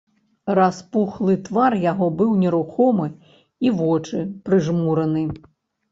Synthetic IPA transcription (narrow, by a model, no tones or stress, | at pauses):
raspuxlˠɨt̪varjaɣɔbɨwnʲɛɾuxɔmɨ | iʋɔt͡ʂɨpɾɨʐmuɾɐnɨ